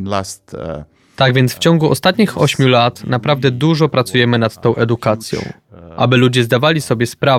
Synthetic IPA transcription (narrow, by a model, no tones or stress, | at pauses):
last̪ | t̪aɡvʲjɛnt̪sft͡ɕɔŋɡuʔɔ̰st̪at̪ɲixɔɕmʲjulat̪napɾavd̪ɛd̪uʐɔpɾat̪sujɛmɘnat̪ːɔ̃w̃ʔɛd̪ukat̪sʲjɔ̰̃w̃ | ʔabɘlud͡ʑɛzd̪avalʲisɔbʲjɛspɾa